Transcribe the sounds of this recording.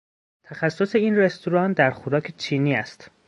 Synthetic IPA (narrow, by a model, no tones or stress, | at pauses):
t̪ʰæxæsːose̞iːnre̞st̪ʰoɾɒːnd̪æɾxoɾɒːcʰet͡ʃʰiːniːæst̪